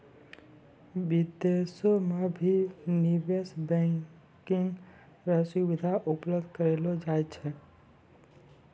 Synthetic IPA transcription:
bɪd̪esomẽbʱinibesbɛ̃ | kɪŋ | ɾəsubɪd̪ʱaʔʊpləbd̪ʱkəɾeːlod͡ʒaːjt͡ʃʰɛ

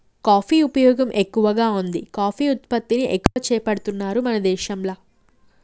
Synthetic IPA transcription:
kaːpʰiːupɐjɔːɡɐmʔekːuʋɐɡaːund̪ikaːpʰiːut̪̚pɐt̪ːiniʔekːuʋɐt͡ʃɛːpɐɽut̪unːaːɾumɐnɐd̪ɛːʃɐmlɐ

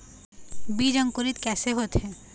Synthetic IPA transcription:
bid͡ʑɔŋkoɾit̪kɛseɦot̪ʰe

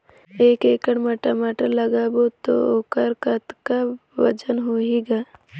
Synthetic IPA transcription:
eːkeːkəɽmɐʈamaːʈəɾləɡabot̪o̰okəɾkət̪kaʋɐd͡ʒənɦoːiɡaː

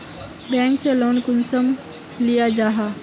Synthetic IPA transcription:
bɛ̃ːŋksẽloːnkʊnsəm | lijad͡ʒaːɦa

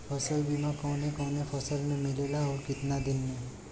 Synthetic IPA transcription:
pʰɔsəlbimakɔ̃wnekɔ̃wnepʰɔsəlmemilelaukɪt̪nad̪inme

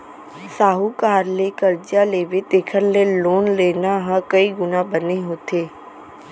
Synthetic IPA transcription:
saːɦukaːɾlekəɾd͡ʒjaleːʋet̪eːkʰəɾleloːnleːnaɦə̃kɐiɡʊnabəneɦoːt̪ʰeː

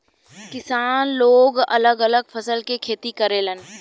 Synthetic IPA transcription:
kɪsaːnloːɡɐ̰ləɡələɡpʰəsəlkekʰeːt̪ikəɾeːlən

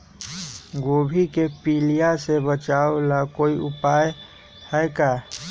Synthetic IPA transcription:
ɡoːbʱikepiːlijasebət͡ʃaolakoːiʔʊpaːj | hɛkaː

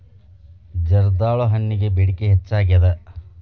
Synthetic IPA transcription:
d͡ʒɐɾd̪aːɭoɦɐnːiɡe̞beɽikeɦet͡ʃːaːɡiɐd̪e

